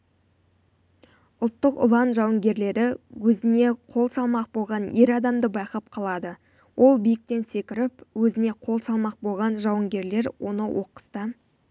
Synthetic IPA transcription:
ʊlˠt̪ːəqʊ̰lˠɑnʒɑwəŋɡʲe̞ɾle̞ɾɪwɵzɪne̞qʰo̞lˠsɑlˠmɑq̚bo̞lˠʁɑnje̞ɾɑd̪ɑmd̪əbɑjqɑp̚qʰɑlˠɑd̪ə | wʔo̞lˠbijɪk̚t̪e̞nse̞kʲɪɾɪpwɵzɪne̞qʰo̞lˠsɑlˠmɑq̚bo̞lˠʁɑnʒɑwəŋɡʲe̞ɾle̞ɾwo̞̰nəwʔo̞qə̥st̪ə

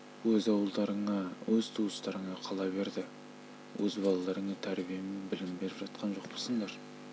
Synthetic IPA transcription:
wɵzɑwəlˠd̪ɑɾəɴɑwɵzt̪ʰuəst̪ɑɾəɴɑqʰɑlˠɑbe̞ɾd̪ɪ | wʔɵzbɑlˠɑlˠɑɾəɴɑt̪ʰæɾbijemenbɪlɪmbe̞ɾɪpʒɑt̪̚qʰɑnʒo̞q̚bolˠsəɴd̪ɑɾ

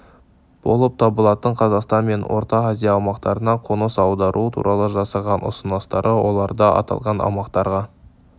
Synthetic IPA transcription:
b̥o̞lˠəp̚t̪ʰɑbəlˠɑt̪əɴqʰɑzɑqst̪ɑnme̞nwo̞̰ɾt̪ɑqazijɑːwmɑqt̪ɑɾənɑqʰonəsɑwd̪ɑɾʔut̪ʰṵɾʔɑlˠəʒɑsɑʁɑnʊ̰sənɑst̪ɑɾʔəwo̞lˠɑɾd̪ɑʔɑ̰t̪ɑ̰lˠʁɑnɑ̰wmɑqt̪ɑɾʁɑ

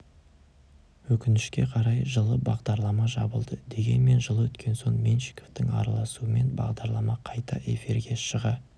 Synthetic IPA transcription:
wɵkʲɪnɪʃkʲe̞qʰɑɾɑjʒəlˠəbɑʁd̪ɑɾlˠɑmɑʒɑ̰bəlˠd̪əd̪e̞ɡʲe̞̰nme̞nʒəlˠwɵt̪kʲʰe̞nso̞ɴmʲenʃɪ̥koft̪ɪŋɑ̰ɾɑlˠɑsuəme̞nbɑ̰ʁd̪ɑɾlˠɑmɑqʰɑjt̪ɑʔe̞̰fiɾɡʲe̞ʃəʁɑ

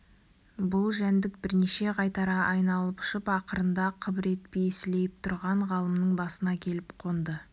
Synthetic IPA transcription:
bʊlˠʒænd̪ɪk̚bɪɾne̞ʃe̞ʁɑjt̪ɑɾɑʔɑjnɑlˠəpʊ̥ʃəpɑqəɾənd̪ɑqʰəbɪɾe̞t̪̚pejɪsɪle̞jɪp̚t̪ʰʊɾʁɑɴʁɑlˠəmnəɴbɑsənɑkʲʰe̞lɪpqʰo̞nd̪ə

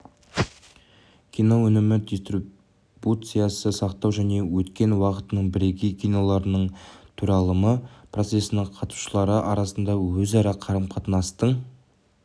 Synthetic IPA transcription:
kʲʰijno̞wɵnɪmɪd̪ʲist̪ri | but̪sɨjɑsəsɑqt̪ɑwʒæne̞wɵt̪kʲe̞nwɑqət̪ənəɴbɪɾeɡʲejkʲʰijno̞lˠɑɾənəɴt̪ʰuɾɑlˠəməpʰro̞t̪se̞sɪnɪɴqʰɑt̪u̥ʃəlˠɑɾəʔɑɾɑsənd̪ɑwɵzɑɾɑqʰɑɾəmqʰɑt̪ənɑst̪əɴ

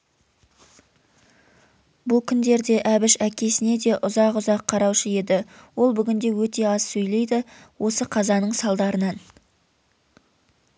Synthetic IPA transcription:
bʊlˠkʲʰʏnd̪e̞ɾd̪e̞ʔæbɪʃækʲʰe̞sɪne̞d̪e̞ʔʊzɑqʊzɑqʰːɑɾɑwʃəe̞d̪ɪwo̞lˠbʏɡʲɪnd̪e̞wɵt̪e̞ɑssɵjle̞jd̪ɪ | wʔo̞səqʰɑzɑnəɴsɑlˠd̪ɑɾənɑn

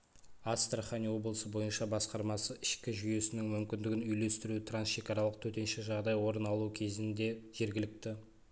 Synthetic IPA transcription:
ast̪raχanʲiwo̞blˠəsəbo̞jənʃɑbɑsqɑɾmɑsəʔɪʃkʲɪʒʏje̞sɪnɪŋmʏmkʲɪnd̪ɪɡʲɪnʏjle̞st̪ɪɾut̪ʰransʃe̞kɑɾɑlˠəq̚t̪ʰɵt̪e̞nʃɪʒɑʁd̪ɑjwo̞ɾənɑlˠukʲʰe̞zɪnd̪e̞ʒe̞ɾɡʲɪlɪk̚t̪ɪ

